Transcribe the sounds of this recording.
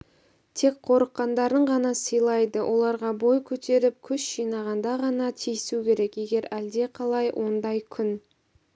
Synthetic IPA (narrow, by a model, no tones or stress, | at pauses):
t̪ʰe̞k̚qʰo̞ɾəqːɑnd̪ɑɾəɴʁɑnɑsəjlˠɑjd̪əwʔo̞lˠɑɾʁɑbo̞jkʲʰɵt̪ʰe̞ɾɪp̚kʲʰʏʃʒijnɑʁɑnd̪ɑʁɑnɑt̪ʰijɪsukʲʰe̞ɾe̞kje̞ɡʲe̞ɾæld̪e̞qʰɑlˠɑjwʔo̞nd̪ɑjkʲʰʏn